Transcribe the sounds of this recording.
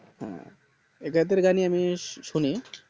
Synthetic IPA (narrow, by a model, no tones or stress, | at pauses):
ɦɛ̰̃ | ekat̪eɾɡaniamiʃuni